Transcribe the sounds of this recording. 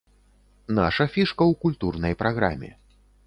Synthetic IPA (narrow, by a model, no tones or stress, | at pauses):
na̰ʂɐfʲiʂkɐwkulʲt̪urnɐjpɾʔaɣɾa̰mʲɛ̰